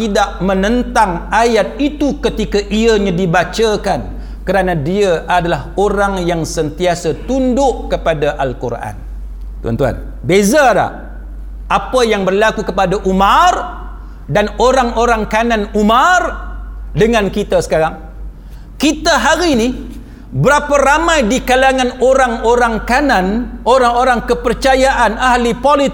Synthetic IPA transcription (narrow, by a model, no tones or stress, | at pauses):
t̪idaʔmə̃nə̃nt̪aŋajat̪̚it̪ukət̪ikaʔiaɲãdibat͡ʃakan | kəɾanãdiaʔadalaɦoɾaŋjaŋsənt̪iasat̪undʊʔkəpadaʔalkurʔa̰n | t̪ṵa̰nt̪ua̰n | bezada̰ | ʔapajaŋbərlakukəpadaʔumãr | danoɾaŋoɾaŋkanãnumardəŋãnkit̪asə̥kaɾaŋ | kit̪aɦaɾini | bəɾapaɾamãjdikalaŋãnoɾaŋoɾaŋkanãnoɾaŋoɾaŋkəpərt͡ʃajaʔanahlipolit̪